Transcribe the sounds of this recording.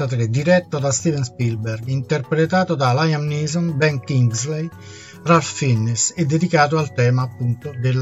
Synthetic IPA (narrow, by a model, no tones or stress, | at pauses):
at̪ɾed̪iɾɛt̪ːod̪ast̪iːvɛnspilbɛrɡint̪erpɾet̪aːt̪od̪alajamniːzɔnbɛŋkiŋɡzlej | ralffinːisɛd̪ːed̪ikaːt̪oalt̪ɛːmaːpːunt̪od̪el